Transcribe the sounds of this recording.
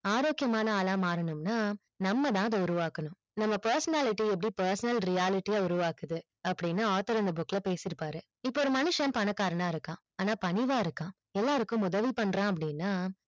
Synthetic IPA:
aːɾoːkɪjɐmaːnɐaːlaːmaːɾɐnɯmnaː | nɐmːɐðãːɐðɐʊɾʊʋaːkːɐnʊ̃m | nɐmːɐpɐɾsɐnaːlɪʈːiɛp̬ːɐɽipɐɾsɐnɐlɾɪjaːlɪʈːijaːʊɾʊʋaːkɯðɯ | ɐpːɐɽɪnːaːaːt̪ɐɾɐnd̪ɐbʊkːlɐpeːsɪɾɯpːaːɾɯ | ɪpːoːɔɾɯmɐnɯʂɐ̃mpɐnɐkːaːɾɐɳãːɪɾɯkːãː | aːnaːpɐɳɪʋaːɪɾɯkːãː | ɛlːaːɾɯkːʊ̃mʊðɐʋipɐɳːɾãːɐp̬ːɐɽɪnːaː

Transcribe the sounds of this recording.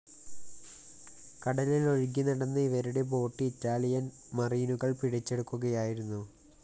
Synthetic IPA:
kɐɽɐlilo̞ɻɡinɐɽɐnːɨiʋɐɾuɽe̞p̬o̞ːʈːiːtːaːɭijɐn | mɐriːnuɣɐɭpiɽɐt͡ɕːe̞ɽukːuɣɐjaːjiɾunːu

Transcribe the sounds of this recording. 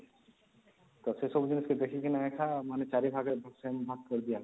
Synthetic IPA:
t̪osesobd͡ʒɪnɪsked̪eːkʰikinaekʰamɛ̃ːnet͡ʃaːɾibʱaːɡebʱɐksembʱat̪̚kɐɾd̪ija

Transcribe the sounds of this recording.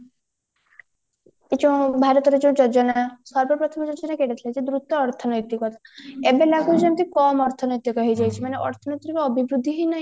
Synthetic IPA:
et͡ʃeũbʱaɾɔt̪ɔɾed͡ʒeũd͡ʒɔd͡ʒɔnasɔɾbɔpɾɔt̪ʰɔmɔd͡ʒɔd͡ʒɔnakeɽet̪ʰilajd͡ʒed̪ɾut̪ɔɔɾt̪ʰɔnɔjt̪ikɔt̪ʰebelaɡuɾd͡ʒemt̪ikɔmɔɾt̪ʰɔnɔjt̪ikɔɦejd͡ʒajt͡ʃʰimaneʔɔ̰ɾt̪ʰɔnɔjt̪ɾikɔɔbibɾud̪ʱːiɦɔjnaj

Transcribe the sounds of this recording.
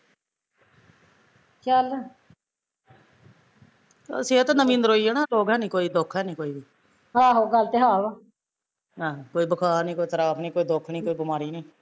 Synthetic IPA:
t͡ʃəl | seːət̪nəmĩːnd̪əɾɦoːiːeːnaːloːɡɛːnĩːkoːiːd̪okʰːɛːnĩːkoːiːbiː | ɦãːɦoːɡəlt̪eːɦaːʋ | ɦãːkoːiːbəkʰaːɾnĩːkoːiːt̪əɾaːpʰniːkoːiːd̪okʰniːkoːiːbɪmaːɾiːniː

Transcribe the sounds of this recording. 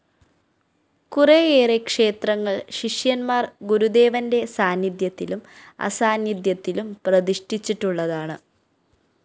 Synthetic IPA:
kureeːrekʂe̞ːt̪rɐŋːɐɭɕiʂjɐnmaːrɡuɾud̪e̞ːʋɐnde̞saːnjid̪jɐt̪ːilumɐ̰saːnjid̪jɐt̪ːilumprɐðiʂʈʰit͡ɕːiʈːuɭːɐðaːɳɨ̰

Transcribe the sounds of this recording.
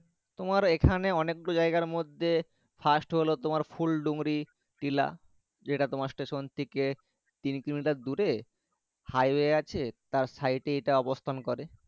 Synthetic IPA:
t̪omaɾekʰaneɔnekːod͡ʑaejɡaɾmod̪ʱːe | fʰasʈɦolot̪omaɾfulɖuŋɾi | ʈila̰ | d͡ʑeʈat̪omaɾsʈeʃont̪ʰike | t̪inkɾimiʈaɾd̪uɾe | hajweat͡ɕʰet̪aɾsajʈeejʈaɔbost̪ʰankɔɾe

